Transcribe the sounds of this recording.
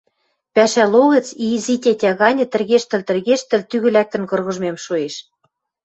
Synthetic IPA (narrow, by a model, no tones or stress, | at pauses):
pæʃæloɣɤ̆t͡sizitʲetʲæɣɑnʲɤ̆t̪ɘ̆rɣeʃt̪ə̆lt̪ɘ̆rɣeʃt̪ɘ̆lt̪yɣɘ̆læk̚t̪ə̆nkɤ̆rɣɤ̆ʒmemʃueʃ